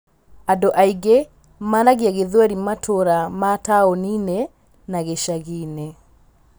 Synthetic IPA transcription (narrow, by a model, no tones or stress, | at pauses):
adoʔaiɡe | maːnaɣjaɣeðwɛɾimatʰoɾamataonine | naɣeʃaɣine